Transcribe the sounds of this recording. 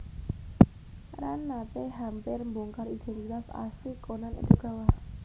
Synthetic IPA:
ɾanːap̪eɦampɪrmbuŋkarid̪̥ɛnt̪it̪asa̰st̪ikonanḛd̪̥ṳɡ̥a̤wa

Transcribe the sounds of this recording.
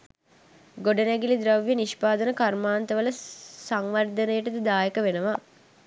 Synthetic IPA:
ɡoɖənæɡilid̪ɾaʋjəniʃpaːd̪ənəkarmaːnt̪əʋələsaŋʋɐrd̪ənəjəʈəd̪əd̪aːjəkəʋenəʋa

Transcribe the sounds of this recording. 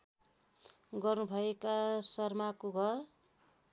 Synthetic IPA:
ɡʌrnubʱʌekasʌrmakoɡʱʌr

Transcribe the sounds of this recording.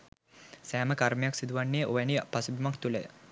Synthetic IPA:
sæːməkaɾmejaksid̪uʋaɳːeʔoʋænipasubʱimakt̪ulḛ

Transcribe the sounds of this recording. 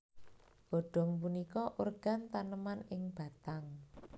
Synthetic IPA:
ɡ̥ɔ̤ɖ̥ɔ̤ŋp̬unikɔʔurɡ̥a̤nt̪anəmanɪŋb̥a̤t̪aŋ

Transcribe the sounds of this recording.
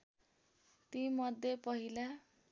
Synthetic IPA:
t̪imʌd̪ʱjepʌɦila

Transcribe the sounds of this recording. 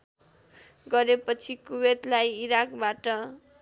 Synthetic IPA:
ɡʌɾepʌt͡sʰikuwed̪lajiɾakbaʈʌ

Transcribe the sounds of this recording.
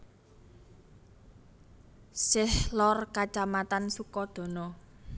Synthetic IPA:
sɪhlɔrkat͡ʃamat̪ansukɔd̪̥o̤nɔ

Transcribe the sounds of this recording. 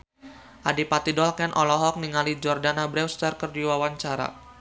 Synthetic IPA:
ʔadipat̪idɔlkɛnʔɔlɔɦɔk̚niŋalid͡ʒɔrdanabɾɛwst̪ərkərdiwawaɲt͡ʃaɾa̰

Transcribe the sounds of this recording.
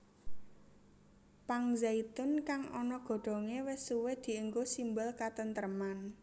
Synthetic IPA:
paŋzait̪ʊnkaŋʔɔnɔɡ̥o̤ɖ̪̥o̤ŋewɪsuwed̪̥i̤əŋɡosimbʊlkat̪ənt̪əɾəman

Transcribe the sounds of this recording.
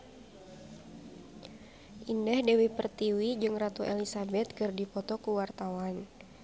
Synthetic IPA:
ʔindɛhdɛwipərt̪iwid͡ʒɨŋrat̪uʔɛlisabɛt̪̚kɨrdipɔt̪ɔkuwart̪awan

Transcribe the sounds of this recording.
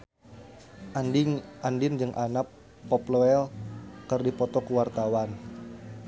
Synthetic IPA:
ʔandɪnd͡ʒɨŋʔanapː | ɔploɛlkɨrdipɔt̪ɔkəwart̪awan

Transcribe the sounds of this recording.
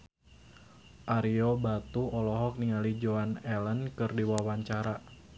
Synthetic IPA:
ʔaɾiobat̪uɔlɔɦɔk̚niŋalid͡ʒoanɛlənkɨrdiwawaɲt͡ʃaɾa

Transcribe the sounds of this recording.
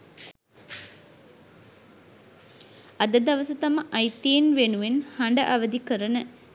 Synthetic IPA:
ɐd̪ɐd̪ɐʋɐsɐt̪ɐmɐʔɐjt̪ijenʋenuʋenhɐɳɖɐʔaʋɐd̪ikəɾɐnə

